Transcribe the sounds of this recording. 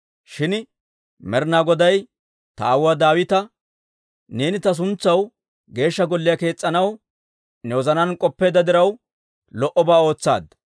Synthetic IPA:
ʃɪn | mɛɾnaːɡɔd̪ɐj | t̪ɐawad̪aːwɪt̪ɐ | ne̞ːnɪt̪ɐs̬ʊnt͡sːɐw | ɡe̞ːʃːɐɡɔlːɪjɐke̞ːt͡sʼːɐnɐw | nɛwɔzɐnɐnkʼɔpːe̞ːd̪ɐd̪ɪɾɐw | lɔʔɔbaːo̞ːt͡sːa̰ːd̪

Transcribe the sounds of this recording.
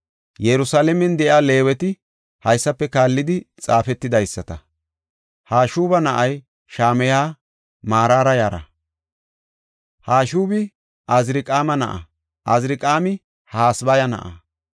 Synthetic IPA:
jɛɾʊsaːlɛmɛnd̪ɛʔjaːle̞ːwɛt̪ɪ | hɐjsːɐpːɛkaːlːɪd̪ɪt͡sʼaːfɛt̪ːɪd̪ɐjsːɐt̪ɐ | haːʃuːbɐnɐʔɐj | ʃaːmɛjaː | maːɾaːɾɐjaːɾɐ̰ | haːʃuːbɪ | ʔɐzɾɪkʼaːmɐnɐ̰ʔɐ̰ | ʔɐzɾɪkʼaːmɪ | haːsbɐjɐnɐ̰ʔɐ̰

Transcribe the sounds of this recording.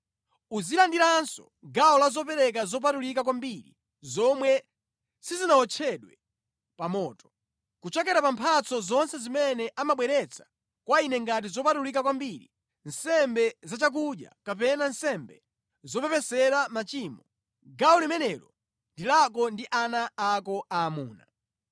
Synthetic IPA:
uzilandiɾansɔ | ɡaɔlazɔp̬ɛɾɛk̬azɔp̬atulik̬akwambiɾḭ | zɔmwɛ | sizinaɔt͡ʃʰɛɗwɛ | pamɔːtɔ̥ | kut͡ʃɛkɛɾapampʰat͡sʰɔzɔnsɛzimɛnɛʔamaɓwɛɾɛt͡sʰḁ | kwainɛŋɡat̬izɔpatulik̬akwambiɾḭ | nsɛmbɛzat͡ʃak̬uʄja̰kap̬ɛnansɛmbɛ | zɔpɛpɛsɛɾamat͡ʃiːmɔ | ɡaɔlimɛnɛɾɔ | ndilakɔndiʔanaːkɔaːmuːna̰

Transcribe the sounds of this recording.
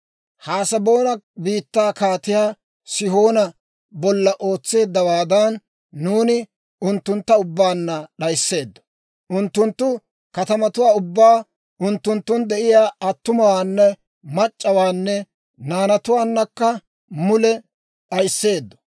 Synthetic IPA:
haːsɐbo̞ːnɐbiːt̪ːaːkaːt̪ɪjaː | sɪho̞ːnɐ | bɔlːɐʔo̞ːt͡sːe̞ːd̪ːɐwaːd̪ɐnː | uːnɪ | ʊnt̪ːʊnt̪ːɐʊbːaːnːɐɗɐjsːe̞ːd̪ːɔ̥ | ʔʊnt̪ːʊnt̪ːʊ | kɐt̪ɐmɐt̪ʊwaːʊbːaː | ʊnt̪ːʊnt̪ːʊnd̪ɛʔɪjaːɐt̪ːʊmɐwaːnːɛ | mɐt͡ʃʼːɐwaːnːɛ | naːnɐt̪ʊwaːnːɐkːɐ | mʊlɛ | ɗɐjsːe̞ːd̪ːɔ̥

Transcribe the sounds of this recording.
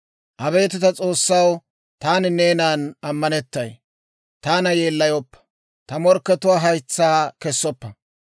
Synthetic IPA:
ʔɐbe̞ːt̪ɪt̪ɐt͡sʼo̞ːsːɐw | t̪aːnɪneːnaːnɐmːɐnɛt̪ːɐj | t̪aːnɐjeːlːɐjɔpːɐ̥ | t̪ɐmɔɾkːɛt̪ʊwaːɦɐjt͡sːaːkɛsːɔpːɐ

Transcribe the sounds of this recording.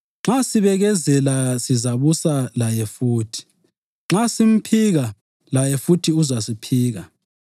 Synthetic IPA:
ŋ͡ǁasiβɛɣɛzɛlasizaβusalajɛfuːtʰi̥ | ŋ͡ǁasim̩pʰiɣa | lajɛfutʰiuzasipʰiːɣa

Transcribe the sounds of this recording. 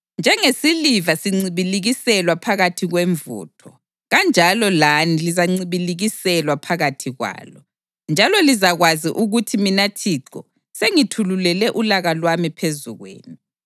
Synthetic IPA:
nd͡ʒʱɛŋesilivasiŋ͡ǀiβiliɣisɛlwapʰaɣatʰiɣweɱvṵːtʰɔ | ɣand͡ʒʱalɔlanilizaŋ͡ǀiβiliɣisɛlwapʰaɣatʰiɣwa̰ːlɔ | nd͡ʒʱalɔlizaɣwaziʔuɣutʰiminatʰiǃɔ̰ | seŋitʰululɛlɛʔulaɣalwamipʰezuɣwḛːni

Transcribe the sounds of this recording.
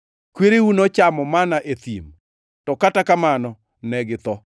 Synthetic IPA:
kweɾewunot͡ʃamɔmanaʔet̪ḭm | tɔkatakamanɔ | nɛɡɪt̪ɔ

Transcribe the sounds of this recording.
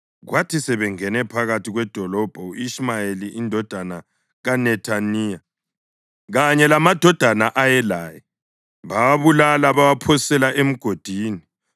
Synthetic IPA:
ɣwatʰisɛβɛŋɛnɛpʰaɣatʰiɣwɛd̥ʱɔlɔb̥ʱɔuiʃmajeliʔindʱɔd̥ʱana | ɣanɛtʰaniːja | ɣaɲɛlamad̥ʱɔd̥ʱanaʔajɛlaːjɛ | βawaβulalaβawapʰɔsisɛlaʔem̩ɡ̥ʱod̥ʱiːni

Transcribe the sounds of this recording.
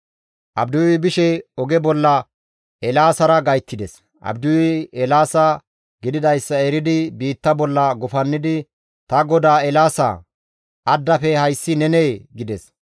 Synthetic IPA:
ʔɐbd̪ʊwɪbɪʃɛɔɡɛbɔlːɐ | ɛlaːsɐɾɐɡɐjt̪ːɪd̪ɛs | ʔɐ̰bd̪ʊwɪɛlaːsa | ɡɪd̪ɪd̪ɐjsːɐeɾɪd̪ɪbiːt̪ːɐbɔlːɐɡʊfɐnːɪd̪ɪ | t̪ɐɡɔd̪aːɛlaːsa̰ | ʔɐd̪ːɐfɛhɐjsːɪnɛneːɡɪd̪ɛs

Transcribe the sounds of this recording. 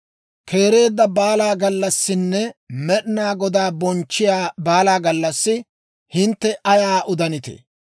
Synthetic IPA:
kʰe̞ːɾe̞ːd̪ːɐbaːlaːɡɐlːɐsːɪnːɛmɛɗɪnaːɡɔd̪aːbɔnt͡ʃːɪjaːbaːlaːɡɐlːɐsːɪ | hɪnt̪ːɛʔɐjaːʔʊd̪ɐnɪt̪ḛ

